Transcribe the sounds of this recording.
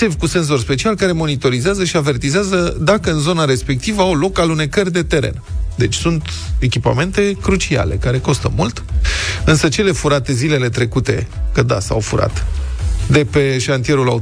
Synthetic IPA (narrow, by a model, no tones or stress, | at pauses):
evʲkuse̞nz̬o̞rspe̞t͡ʃialkaɾe̞mo̞nit̪o̞ɾizeazəʃiave̞rt̪izeazəd̪akəɨnzo̞naɾe̞spe̞k̚t̪ivəawlo̞kalune̞kərʲd̪e̞t̪e̞ɾe̞̰nd̪e̞t͡ʃʲsunt̪ | e̞kʲipa̰me̞nt̪e̞kɾut͡ʃia̰le̞̰kaɾe̞ko̞st̪əmult̪ɨnsət͡ʃe̞le̞fuɾat̪e̞zile̞le̞t̪ɾe̞kut̪e̞̰kəd̪a̰sa̰wfuɾa̰t̪d̪e̞pe̞ʃant̪ije̞ɾula